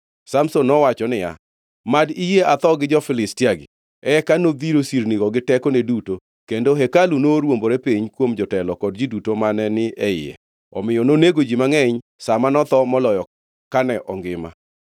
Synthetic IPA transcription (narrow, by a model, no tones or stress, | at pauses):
samsonːɔwat͡ʃɔnɪja̰ | madijeat̪ɔɡɪd͡ʒɔfɪlɪstiaɡɪ̰ | ɛkanod̪iɾosiɾniɡɔɡɪtɛkɔneduto | kendoɦɛkalunoɾwomboɾepiɲkwomd͡ʒɔtɛlɔkɔd̚d͡ʒidutomanɛnɪɛɪ̰ɛ̰ | ɔ̰mɪjɔnoneɡod͡ʒimaŋɛɲ | samanɔt̪ɔmɔlɔjɔ | kanɛʔɔŋɡɪma̰